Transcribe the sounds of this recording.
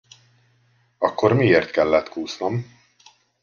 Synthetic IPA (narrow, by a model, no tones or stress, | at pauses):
ɒkːo̞rmieːrt̪kɛlːɛt̪kuːsnɒm